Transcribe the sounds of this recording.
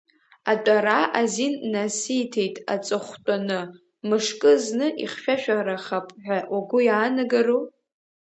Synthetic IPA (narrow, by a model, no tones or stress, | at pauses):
atʼaɾaʔazinːasɨjtʰe̞jtʼa̰t͡sʼɨχʷtʷʼanɨ | mɨʂkʼɨznɨʔḭχʃᶣaʃᶣaɾaχapʼħʷᶣawaɡʷʊjaːnɨɡaro